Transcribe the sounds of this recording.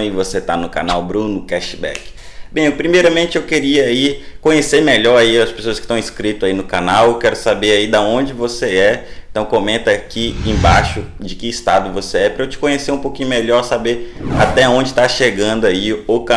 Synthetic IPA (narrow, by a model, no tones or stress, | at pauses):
ivoset̪anʊka̰nawbɾũnʊkɛʃɪbɛ̰k | bẽj̃pɾimejɾɐmẽnt͡ʃɪewkeɾiɐikõɲesemeʎɔɾaiɐspesoɐskɪ̥t̪ɐ̃w̃iskɾit̪ʊzainʊkanawewkɛɾʊsabeɾaid̪aõd͡ʒɪvoseɛẽt̪ɐ̃w̃kõmẽnt̪ɐkiẽbaʃʊd͡ʒɪkɪːst̪ad̪ʊvoseɛpɾɐet͡ʃɪ̥kõɲeseɾũpokĩɲʊmeʎɔɾsabeɾa̰t̪ɛaõd͡ʒɪt̪aʃeɡɐ̃nd̪ʊaiʊka